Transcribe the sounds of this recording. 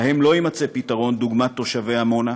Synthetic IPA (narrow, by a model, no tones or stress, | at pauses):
hemlo̞imat͡sepitaʁo̞nd̪uɡmat̪ːo̞ʃaveamo̞na